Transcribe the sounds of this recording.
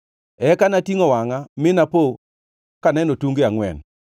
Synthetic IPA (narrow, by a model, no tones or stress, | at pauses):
ɛkanatiŋɔwaŋamɪnapo | kanɛnotuŋɡeaŋwɛ̰n